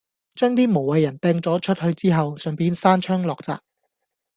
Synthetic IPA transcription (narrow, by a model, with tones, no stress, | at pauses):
t͡ʃœː˥ŋt̪iː˥mo˨˩wwɐ˨jːɐ˨˩nt̪ɛː˧ŋt͡sɔː˨˥t͡ʃʰɵ˥t̚hɵ˧ɥt͡siː˥ɦɐ˨wsœː˨ŋpiː˧nsaː˥nt͡ʃʰœː˥ŋlɔː˨k̚t͡sa̰ː˨p̚